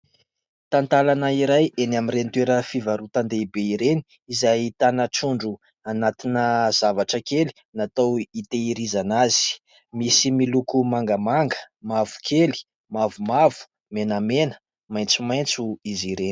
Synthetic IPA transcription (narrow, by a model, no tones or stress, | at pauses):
t̪ant̪alanəiɾajenaminrent̪weɾəfivaɾut̪and̪eibeiɾeni̥ | izajt̪anəʈ͡ʂuɳɖ͡ʐu | anat̪inəz̥avaʈ͡ʂəkeli̥ | nat̪awit̪eiɾizanazi̥ | misimilukumaŋɡəmaŋɡə̥ | mavu̥kʰeli̥ | mavumavu̥ | menamenə̥ | majnt͡sumajnt͡suiziɾeni̥